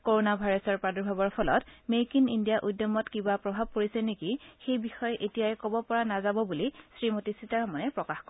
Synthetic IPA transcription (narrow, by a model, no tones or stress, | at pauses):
koɹonabʱajɹɔsɔɹpɹadɔɹbʱabɔɹpʰɔlɔ̰tmekinindijaʔujdjɔmɔtkibapɹɔbʱab̚koɹisɛnekixejbixɔjɔʔetijajɛkobɔpɔɹanazabɔbulisɹimotisitaɹɔmɔnɛpɹɔkaxkɔ